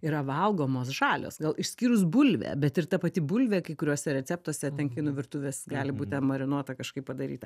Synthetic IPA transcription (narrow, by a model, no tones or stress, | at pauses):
iɾɐʋɐlˠɡoːmoːsʒɑːlʲo̰ːsɡɐlˠɪʃʲsʲkʲiːɾʊs̬bʊlʲʋʲɛ̰ːbʲɛt̪ɪrt̪ɐpɐt̪ʲɪbʊːlʲʋʲɛːkɐɪkʊɾʲuɔsʲɛɾʲɛt͡s̪ʲæːp̚t̪uɔsʲɛt̪ʲɛnkʲɪnʊʋʲɪrt̪ʊʋʲeːsɡɑːlʲɪbuːt̪ʲɛnmɐɾʲɪnuɔt̪ɐkɐʃkɐɪppɐd̪ɐɾʲḭːt̪ɐ